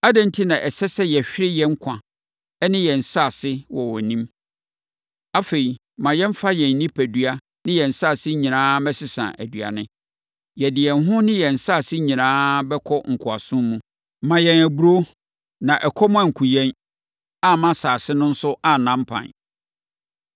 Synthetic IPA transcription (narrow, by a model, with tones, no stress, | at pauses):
a˦dɛ̃˦n̩˦tʰi˦nã˨ʔɛ˨sɛ˦sɛ˦jɛ˨ɕᶣɪ˦ɾɪ˦jɛ˦ŋ̩˦kʰã˨ | ɛ˦nɪ̃˦jɛ˨n̩˨saː˦˨sɪ˦wɔ˨wɔ˨nĩ˦m | a˦fe˨ɾi˨ | mã˨jɛ̃˦m̩˦fa˦jɛ̃˨n˦nĩ˦pʰæ˨dɥa˦ | nɪ̃˦jɛ˨n̩˨saː˦˨sɪ˦ɲĩ˨nãː˦mɛ̃˦sɪ˦sã̰˨ʔæ̰˨dɥa̰˨nɪ̃˦ | jɛ˨dɪ˨ɛ˨nɦʊ̃˦nɪ̃˦jɛ˨n̩˨sa˦˨sɪ˦ɲĩ˨nãː˦bɛ˦kʰɔ˦ŋ̩˨kʰʊ˨a˨sʊ̃˦mmũ˦ | mã˨jɛ˨næ˨bu˦ɾo˦ | nã˨ʔɛ˨kʰɔ˦mʊ̃˦ã˦˨ŋ̩˨kʰʊ˨jɛ̃˦n | a˦mã˦saː˨sɪ˦nʊ̃˦n̩˦sʊ˦a˦˨nã˦m̩˦pʰã̰˨n